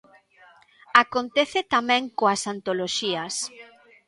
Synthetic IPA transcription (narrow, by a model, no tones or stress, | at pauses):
akont̪ɛθet̪amɛ̃ŋkoasant̪oloʃiɐs